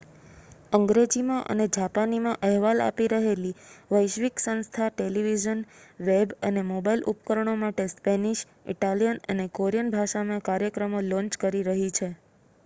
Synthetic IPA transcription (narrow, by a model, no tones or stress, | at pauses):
əŋɡɾed͡ʒimãʔə̰ned͡ʒapanimãʔəɦʋala̰piɾəɦeliʋəjʃʋiksə̃nst̪ʰaʈeliʋiʒənʋebənemobailṵpkəɾəɳomaʈespɛniʃ | ḭʈalijənənekoɾijənbʱaʃamãkaɾjəkɾəmolɔ̃ɲt͡ʃkəɾiɾəɦit͡ʃʰe